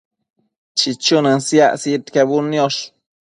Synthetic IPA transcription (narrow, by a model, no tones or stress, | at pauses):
t͡ʃit͡ʃunənsja̰ʔsit̪keβunjoʃ